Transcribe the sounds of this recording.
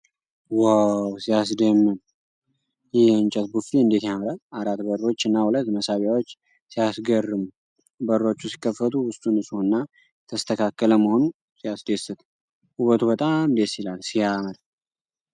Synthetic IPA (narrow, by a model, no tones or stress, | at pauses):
wawsijas̬d̪emːɨn | jɛɛnt͡ʃʼət̪bufiɨnd̪e̞t̪jaməɾəaɾat̪bəɾo̞t͡ʃːɨnːahulət̪məsaβjawo̞t͡ʃː | sijasɡərːɨm | bəɾːo̞t͡ʃːusi̥kːəfːət̪ʰʼuwʊst̪ʼunɨsuɨnːa | t̪ʰəst̪ʰəkʰakːələməho̞nu | sijasd̪esɨt̪ʰ | ʔuβət̪ʰubət̪ʼamd̪esjɪlalsijaməd̪